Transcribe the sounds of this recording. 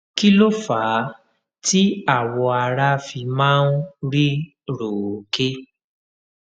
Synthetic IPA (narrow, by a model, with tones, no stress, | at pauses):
ki˦lo˦faː˨˦ | ti˦a˦˨wɔ˧a˧ɾa˦fi˧mãː˦˧n̩˦ɾi˦ | ɾo˨ke˦